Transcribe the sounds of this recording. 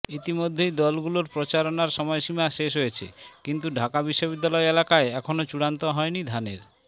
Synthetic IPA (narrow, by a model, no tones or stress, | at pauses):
it̪imod̪ʱːejd̪ɔlɡuloɾpɾot͡ɕaɾonaɾʃɔmɔeʃimaʃeʃ̬ɦojet͡ɕʰḛkint̪uɖʱakabiʃːobid̪ːalɔeelakaeɛkʰonot͡ɕuɽant̪oɦɔenid̪ʱaneɾ